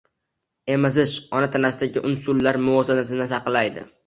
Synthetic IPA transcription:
e̞mazɪʃɒnat̪ʰanasɪd̪aɡʲɪʔʊnsʊlːaɾmʊvɒsanat̪ɪnɪsɑqlajd̪ɪ̰

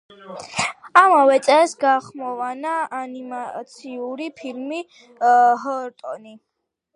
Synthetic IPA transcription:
amavɛt̪sʼɛsɡaχmɔvanaːnimat̪sʰiuɾipʰilmi | ɦɔɾt̪ʼɔni

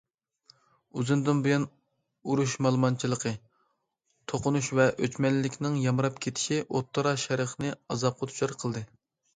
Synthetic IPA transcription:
uzɨnd̪ɨnbujɑn | uɾuʃmɑlˠmɑnt͡ʃʰilˠəqʰə | t̪ʰoqʊnuʃvɛʔøt͡ʃmɛlːɪkʲnɪŋjɑmɨɾɑpkʲʰet̪ʰɪ̥ʃiʔot̪ːɑɾɑʃɛɾəχnɨɑzɑp̚qʰɑt̪ʰu̥ʃɑɾqʰəlˠd̪ɨ

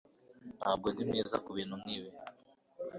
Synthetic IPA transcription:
naːb̚ɡodimneːza̰kuβiːnhunniːwe

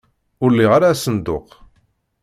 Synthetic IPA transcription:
ʊɾlːiʁaɾaːsənd̪ʊq

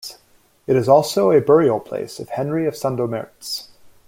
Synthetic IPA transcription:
ɨɾɨzɔlˠsoʊɨbɜ˞il̩ˠpʰl̥ḛɪsʌv̥hɛ̃nɹiʌv̥sæ̃ndoʊmɛ̰ɹts

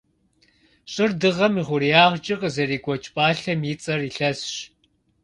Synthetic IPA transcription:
ɕʼɪrdɨʁɐmiʁʷʊɾijaːʁd͡ʒʼɪqʼəzɐriːɡʷʼɔt͡ʃʼpʼaːɬɐmjit͡sʼɐriɬɐsɕ

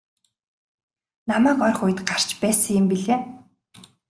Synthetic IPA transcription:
namæːkɔrχʊj̆t̪ɢar̥t͡ɕpæːsə̆ŋɪmpiɮeː

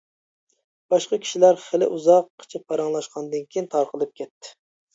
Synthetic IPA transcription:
b̥ɑʃqɑkʲʰi̥ʃilæɾχəlɪ̰ʔuzɑqʰːə̥t͡ʃʰipʰːɑɾɑŋlˠɑʃqʰɑnd̪ɨnkʲʰijint̪ʰɑɾqʰəlˠɨp̚kʲʰɛt̪ʰːɪ̥

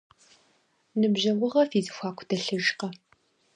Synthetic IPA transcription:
nɨbʑɐʁʷʊʁɐfiːzɨxʷaːkʷʰʊ̥dɐɬɨʒqɐ

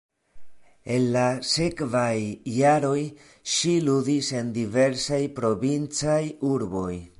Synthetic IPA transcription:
e̞nlase̞kvajːaɾo̞j | ʃiludise̞ndive̞ɾsajpɾo̞vint͡sajuɾbo̞j

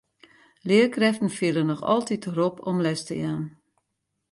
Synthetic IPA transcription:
lɪərkrɛftən̩fiələnɔxɔ̰lˠtitropʰɔmlɛstə̰jaːn

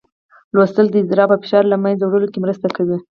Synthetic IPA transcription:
lwost̪əld̪əɪzd̪ɪɾɑbafɪ̥ʃɑɾlamanzawɽəlokemɾəst̪akawi

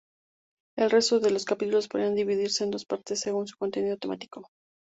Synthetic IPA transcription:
e̞lre̞st̪o̞ðe̞lo̞skapit̪ulo̞spo̞ðɾiand̪iβiðiɾse̞ːnd̪o̞spaɾt̪esːe̞ɣunsu̥ko̞nt̪e̞nið̞o̞t̪e̞mat̪i̥ko̞

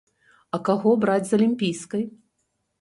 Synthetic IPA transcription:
ɐkaɣɔbɾad͡zʲzɐlʲimʲpʲijskɐj

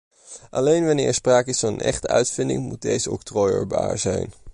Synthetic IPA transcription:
ʔɑlejnʋɑnɪːɛɹspraːkɪsfɑnənʔɛ̰χtəœ̰ɥtfɪndɪ̰ŋmud̚dejzəɔktrɔjə̰ɹba̰ːɹzɛjn

